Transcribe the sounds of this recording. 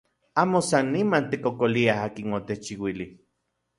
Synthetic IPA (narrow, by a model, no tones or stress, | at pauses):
aːmosanːimant̪ekokoliaɦaːkinot̪et͡ʃiwili